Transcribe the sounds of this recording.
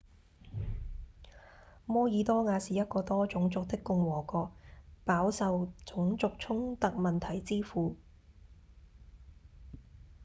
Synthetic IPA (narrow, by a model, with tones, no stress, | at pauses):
mɔː˥jiː˨˧t̪ɔː˥ŋaː˨˧siː˨jɐ˥t̚kɔː˧t̪ɔː˥t͡sʊ˨˥ŋt͡sʊ˨k̚t̪ɪ˥kːʊ˧ŋwɔː˨˩kɔː˧k̚paː˨˥wsɐ˧wt͡sʊ˨˥ŋt͡sʊ˨k̚t͡sʰʊ˥ŋt̪ɐ˨k̚mɐ˨nt̪ʰɐ˨˩jt͡siː˥fuː˨˧